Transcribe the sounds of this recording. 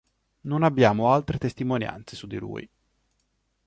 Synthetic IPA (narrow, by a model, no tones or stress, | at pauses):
nonabːjaːmoalt̪ɾet̪est̪imonja̰nt̪sesud̪ːilṵːj